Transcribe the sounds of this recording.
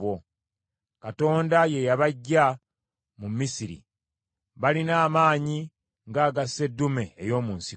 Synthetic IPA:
wo | kato̞ːndaje̞jaβaɟːa | mumisiɾḭ | βalinaːmaːɲi | ŋɡaːɡase̞dːume̞ːjo̞ːmuːnsi

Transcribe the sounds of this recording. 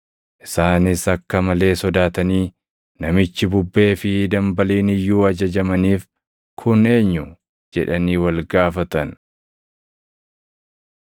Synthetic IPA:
ʔɪsaːnɪsɐkːɐmɐle̞ːsɔd̪aːt̪ɐniː | nɐmɪt͡ʃːɪbʊbːe̞ːfɪd̪ɐmbɐliːnɪjːuːɐd͡ʒɐd͡ʒɐmɐniːf | kʰʊne̞ːɲːʊ | d͡ʒɛᶑɐniːwɐlɡaːfɐt̪ɐn

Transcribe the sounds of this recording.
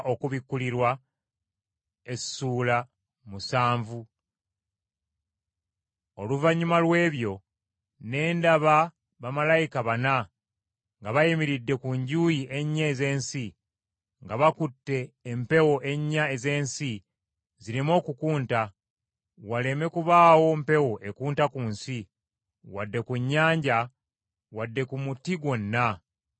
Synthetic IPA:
ʔo̞kuβikːuliɾwa | e̞ssuːla | musaːɱvu | o̞luvaɲumalwe̞ːβjo̞ | ne̞ːndaβa | βamalajikaβana | ŋɡaβajimiɾidːe̞kuɲɟuːjiʔe̞ɲːaeze̞ːnsi | ŋɡaβakutːe̞ːmpe̞wo̞ʔe̞ɲːaeze̞ːnsi | ziɾimo̞ːkukuːnta | wale̞me̞kuβaːwo̞mpe̞wo̞ʔe̞kuːntakuːnsi | wadːe̞kuɲːaːɲɟa | wadːe̞kumutiɡwo̞nːa

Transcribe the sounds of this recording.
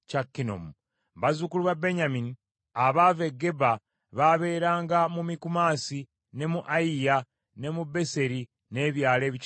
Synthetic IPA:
cakːino̰mu | βazukuluβabe̞ɲamini | aβaveɡe̞ba | βaβe̞ːɾaːŋɡamumikumaːsi | ne̞muʔaija | ne̞mube̞se̞ɾi | ne̞βjaːle̞ːβi

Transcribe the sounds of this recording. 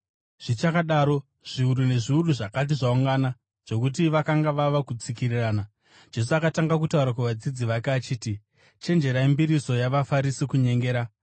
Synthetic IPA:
ʐ̥it͡ʃakaɗaːɾo̞ | ʐ̥iuɾune̞ʐiuruʐakat̬iʐauŋɡana | ʐ̥o̞kut̬iʋakaŋɡaʋaʋakut͡sikiriraːna | d͡ʒe̞s̬uakataŋɡak̬utauɾak̬aʋad͡zid͡ziʋakːt͡ʃiːti | t͡ʃe̞nd͡ʒe̞ɾaimbiɾiso̞jaʋafaɾisikuɲe̞ŋɡe̞ːɾa

